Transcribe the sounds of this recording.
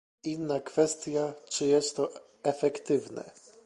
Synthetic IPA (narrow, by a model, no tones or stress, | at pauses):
inːakfɛst̪ʲjat͡ʂɘjɛst̪ːɔ | ɛfɛkt̪ɘvnɛ̰